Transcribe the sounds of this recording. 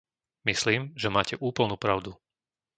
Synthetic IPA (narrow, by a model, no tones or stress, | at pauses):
misliːmʒɛmaːcɛʔuːpl̩nuːpɾaʊd̪u